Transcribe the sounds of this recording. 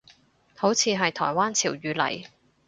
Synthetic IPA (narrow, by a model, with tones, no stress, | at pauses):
ho˨˥wt͡sʰiː˧ɦɐ˨jt̪ʰɔ̰ː˨˩jwaː˥nt͡sʰiː˨˩wjyː˨˧lɐ̰˨˩j